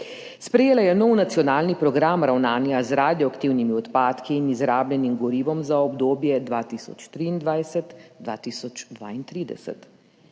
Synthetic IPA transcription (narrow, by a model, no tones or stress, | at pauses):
spɾɛjeːlajɛnɔwnat̪sijɔnaːlnipɾɔɡɾamɾawnaːnjazɾaːd̪jɔakt̪iwnimiɔt̪paːt̪kiːnizɾaːblʲjɛnimɡɔɾiːʋɔmzaɔbd̪oːbjɛd̪ʋaːt̪iːsɔ̰t͡ʃt̪ɾiːnd̪ʋajsɛt̪d̪ʋa̰ːt̪iːsɔt͡ʃd̪ʋa̰ːint̪ɾiːd̪ɛ̰sɛ̰t̪